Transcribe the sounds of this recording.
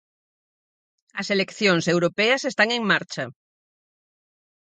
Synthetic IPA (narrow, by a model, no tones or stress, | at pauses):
ɐselekθjoŋsewɾopɛɐsest̪aŋeŋmaɾt͡ʃɐ